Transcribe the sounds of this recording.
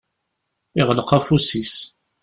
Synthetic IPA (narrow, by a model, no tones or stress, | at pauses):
iʁələqafusis